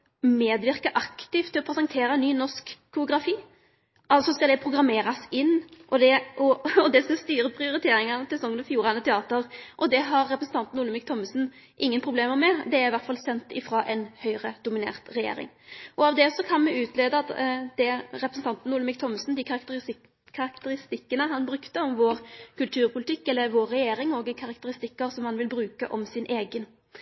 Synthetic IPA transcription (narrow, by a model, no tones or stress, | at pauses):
meːd̪ʋɪʁkəʔɑkt̪ɪft̪ʰːɪlɔpʰɾɛsɑŋt̪ʰeːɾəɛnːyːnɔʂkkʰːʊʊɡɾɑfiː | ʔɑlt̪sɔskɑld̪ɛpʰɾʊɡʁɑmeːɾɑsɪnːʔɔd̪ɛʔɔɔd̪ɛskɑst̪yːɾəpʰʁɪʊɾɪt̪ʰeːɾɪŋɑnsɛsɔŋːənɔfjuːɾɑnət̪ʰɛɑːt̪əʁʔɔd̪ɛɦɑɾːɛpɾəsn̩t̪ɑnt̪n̩ʊːlmɪk̚t̪ʰɔmːəsn̩ | ʔɪŋːənpʰʁʊbleːməʁmɛd̪ɛæʁɪʋæɾt̪fɑlsɛnt̪ɪfɾɑːʔɛnhœʏʁəd̪ʊmɪnḛːʁt̪ʁɛjḛːɾɪ̰ŋ | ʔɔɑʋd̪ɛsɔkʰɑnmɛʉːt̪ʰleːd̪əɑt̪d̪̥ɛɾɛpɾəsn̩t̪ʰɑnt̪nuːləmɪːk̚t̪ʰɔməsnd̪ɪkʰɑɾɑkt̪ə | kʰːɑɾɑkt̪əɾɪst̪ɪkːənəɦɑnbɾʉkt̪əɔmʋoːʁkʰʉlt̪ʰʉːɾpʰʊlɪt̪ɪkːɛlːəʋoːɾːɛjeːɾɪŋɔːɡkʰɑʁɑk̚t̪əɾɪst̪ɪkːəɾsɔmhɑnʋɪlbɾʉːkə̰ʔɔmsɪnʔeːɡən